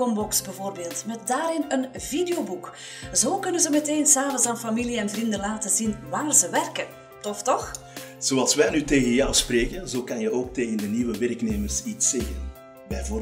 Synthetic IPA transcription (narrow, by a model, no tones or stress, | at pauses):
ɔmbɔksbɛvoːrbeːlˠtmɛt̚daːɾɪnənvideobuk | zoːkɵnənzəmɛteːnsaːvənsaːnfɑmiliɛnvrindəlaːtəzinʋaːrzəʋɛrkən | tɔftɔx | z̥oɑlˠsʋɛjnyteːɣənjɑwspreːkənzoːkɑnjəoːk̚teːɣəndəniʋəʋɛrkneːmərsitsːɛɣən | bɛjvo